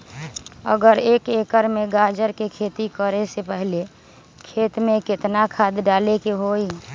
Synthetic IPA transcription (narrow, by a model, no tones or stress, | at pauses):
ə̰ɡəɾeːkekəɾmẽɡaːd͡ʒəɾkekʰeːt̪ikəɾesepəɦle | kʰeːt̪mẽkɪt̪nakʰaːd̪ɖaːlekeɦoi